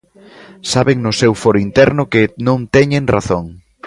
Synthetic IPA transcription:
saβeŋnʊsewfɔɾʊint̪ɛɾnʊkɪnõnt̪ɛɲẽŋraθoŋ

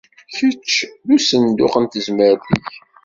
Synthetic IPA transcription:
çət͡ʃːðusənd̪ʊ̰qənt̪əzməɾθiç

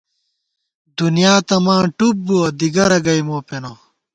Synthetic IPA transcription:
d̪unijaːt̪ɐmãːʈup̚buɐd̪iɡɐɾɐɡɐjmoːpeno

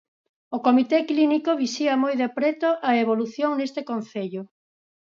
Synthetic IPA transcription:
okomit̪eklinikoβisiɐmojðepɾet̪oʔɐeβoluθjoŋnest̪ekonθeʎʊ

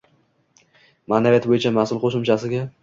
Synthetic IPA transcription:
maːnavijat̪bojɪt͡ʃʰamasʊlˠqʰoʃɪmt͡ʃʰasɪɡʲa

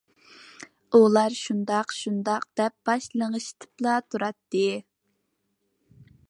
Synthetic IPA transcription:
ulˠɑɾʃund̪ɑqʃund̪ɑqd̪̥ɛp̚b̥ɑʃlˠəŋəʃt̪ʰɨ̥plˠɑt̪ʰuɾɑt̪ːɨ

